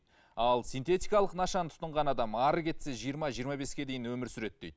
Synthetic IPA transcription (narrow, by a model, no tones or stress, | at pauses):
ɑlˠsijnt̪e̞t̪ʲijkɑlˠəqnɑʃɑnət̪ʰʊ̥t̪əɴʁɑnɑd̪ɑmɑɾəkʲʰe̞t̪se̞ʒijəɾmɑʒijəɾmɑbe̞skʲe̞d̪e̞jɪnwɵmɪɾsʏɾe̞t̪ːejd̪